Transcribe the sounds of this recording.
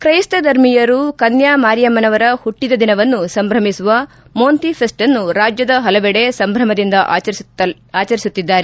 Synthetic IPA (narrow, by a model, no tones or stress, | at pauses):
kɾɐjst̪ɐd̪ʱɐɾmijɐɾukɐnjaːmaːɾjɐmɐnɐʋɐɾɐhuʈːid̪ɐd̪inɐʋɐnːusɐmbʱɾɐmisuʋɐ | moːnt̪ipʰesʈɐnːuɾaːd͡ʒjɐd̪ɐɦɐlɐʋɛɽe̞sɐmbʱɾɐmɐd̪ind̪ɐ | aːt͡ʃɐɾisut̪ːid̪ːaːɾe